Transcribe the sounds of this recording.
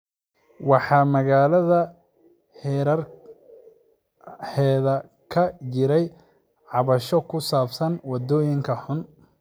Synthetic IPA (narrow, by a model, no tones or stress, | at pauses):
wɑħɑːmɐɣaːlɐðɐ | ɛɾɐr | ħɛːðɐ | kʰɐt͡ʃɪɾɛj | ʕɑβɐʃɔkʰʊsaːfsɐnwɑd̪ɔːjɪŋkʰɐħʊn